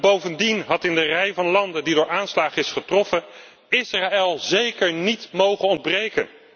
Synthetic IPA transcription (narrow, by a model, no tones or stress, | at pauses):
bowvəndinɦɑtɪndərɛjvɑnlɑndədidʊːɹaːnslaːχəɪsχətrɔfə | ɪsraːɛlˠzejkəɹnitmowχənɔndbrejkə̰n